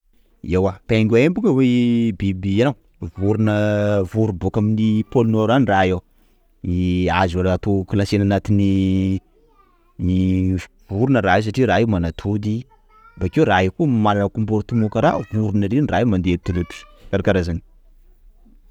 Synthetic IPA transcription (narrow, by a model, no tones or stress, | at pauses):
ewapaŋɡʲuaembuŋəwebibianaw | vuɾunəvuɾubokaminipolunoɾaniraja | niazaɾat̪okilasenanat̪ini | ni | vuɾunəɾais̬aʈ͡ʂiɾaemanat̪ʰud̪i | bakewɾaekumalanəkumbuɾt̪umukəɾa̰vuɾunaɾeniɾaimand̪et̪uluʈ͡ʂi̥kaɾakaɾazani̥